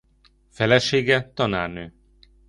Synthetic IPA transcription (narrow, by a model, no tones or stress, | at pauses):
fɛlɛʃeːɡɛt̪ɒna̰ːrnøː